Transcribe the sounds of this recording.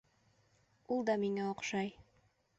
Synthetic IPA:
ulˠd̪ɑmiŋæoqʃɑj

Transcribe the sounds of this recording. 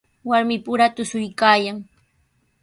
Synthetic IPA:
waɾmɪpʊɾat̪ʊsʊjkaːjaŋ

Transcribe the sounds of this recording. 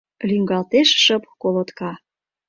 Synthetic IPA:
lyŋɡɑlt̪eʃʃəpkolot̪kɑ

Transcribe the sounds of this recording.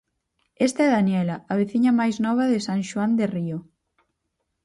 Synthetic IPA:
est̪ɐɛðanjɛlɐːβeθiɲɐmajznɔβ̞ɐðesãŋʃwand̪erio

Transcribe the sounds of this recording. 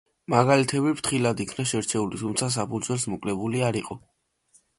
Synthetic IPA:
maɡalit̪ʰɛbipʰt̪ʰχilad̪ikʰnaʃɛɾt͡ʃʰɛulit̪ʰumt̪sʰas̬apʰud̪zwɛlˠsmɔkʼlɛbuliaɾiqʼɔ

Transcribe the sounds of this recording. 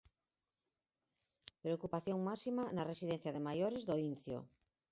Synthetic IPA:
pɾeokupaθjoŋmasimanaresiðen̟θjaðemajoɾezðoinθjo̰

